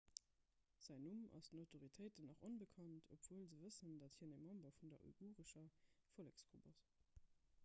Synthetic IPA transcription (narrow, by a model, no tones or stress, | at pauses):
z̥æɪnumʔɑ̰stənɑʊtʰoʁitʰəɪtənɑχonbəkʰɑntʰo̰pv̥oːəlzəvəsəndɑthiːɐnəmɑmbɐfundɐʔṵɡuːʁəʃɐfolɛkskʰṵbɑs